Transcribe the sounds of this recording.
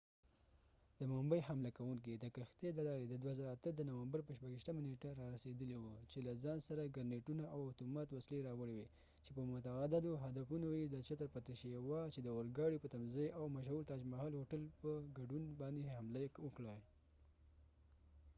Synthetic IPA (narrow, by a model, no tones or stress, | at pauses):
d̪̥əmʊmbəjhamlakawuŋkid̪əkaxt̪ed̪əlɑɾed̪əd̪waazaɾaat̪əd̪ənawambaɾpəʃpaɡiʃt̪əmaneʈaɾɑɾased̪əliwut͡ʃelazɑnsaɾaɡaɾneʈunaawat̪omɑt̪wasleɾɑwəɽewe | t͡ʃepəmʊt̪aɣad̪ɪd̪oɦad̪afunojed̪ət͡ʃat̪əɾpat̪ɪʃewat͡ʃed̪əʊɾɡɑɽipət̪amzəjʔawmaʃ̬huɾt̪ɑd͡ʒmahɑlhoʈəlpəɡaɖunbɑnd̪ehamlawəkɽa